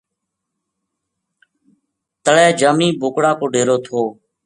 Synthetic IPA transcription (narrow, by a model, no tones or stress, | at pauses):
t̪əɭɛːd͡ʒəːmiːboːkɽaːkoːɖeːɾoːt̪ʰoː